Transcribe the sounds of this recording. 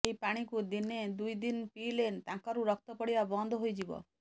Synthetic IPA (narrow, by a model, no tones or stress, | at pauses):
ejpaɽ̃ikud̪ined̪ujd̪inpilent̪ãŋkaɾuɾɔkʰt̪ɔpɔɽibabɔnd̪ʱɦojd͡ʒibɔ̰